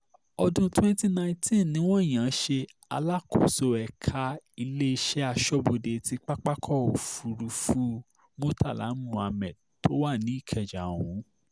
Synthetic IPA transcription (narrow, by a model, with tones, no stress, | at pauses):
ɔ˧dũ˧twɛ̃˦n˦ti˦nã˧ĩ˦tĩ˦˨nĩ˨˦w̃ɔ̃˦˨j̃ã˨˦ʃe˧ | a̰˧la˦kʰo̰˨so˧ɛ˨kʰa˧i˧le˦i˧ʃɛ˦a˧ʃɔ˦bo˧de˨˧ti˧˦k͡pa˦k͡pa˦kʰɔ˦˨o˨fu˨ɾu˨˧fu˧˦ | mo˦ta˦˨la̰˨˦n˦mũ˨˧˨a˧mɛ̃˨ | tʰo˦wa˦˨nĩ˨˦i˦˨kʰɛ˨d͡ʒa̰˨wũ˨˦